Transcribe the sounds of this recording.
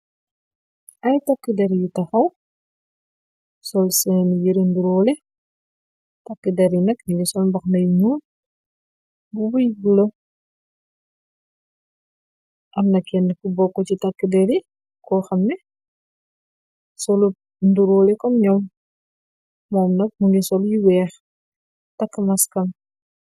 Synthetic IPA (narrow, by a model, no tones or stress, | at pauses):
ʔɐjtakːidɛɾjitɐxɐw | sɔlsɛnjiɾinduɾɔːlɛ | tɐkːidɛɾjinɐkniɡisɔlmbɐxnɐjŋul | bubujɡulə | ʔɐmnɐkʰːɛnkubɔkːɔcitakːədɛɾi | kɔxɐmːɛ | sɔlu | nduɾɔːlɛkɔmɲɔm | mɔːmnɐk̚muŋɡisɔljiwɛːx | takːəmɐskɐm